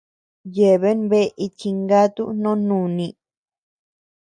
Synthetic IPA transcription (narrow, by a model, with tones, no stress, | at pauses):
je˨βe˦nβe˦˧ʔi˧t͡ʃi˧ŋɡa˦t̪u˦nõ˦nũ˧˨nĩ˧